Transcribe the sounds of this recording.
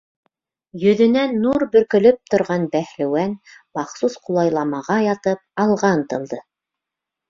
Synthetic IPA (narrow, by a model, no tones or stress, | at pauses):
jɵ̆ðɵ̆nænːuɾbɵ̆ɾkɵ̆lɵp̚t̪ŏɾʁɑnbæhlɘwænmɑχsusqulˠɑjlˠɑmɑʁɑjɑt̪ɤp̚ɑlˠʁɑnt̪ɤ̆lˠd̪ɤ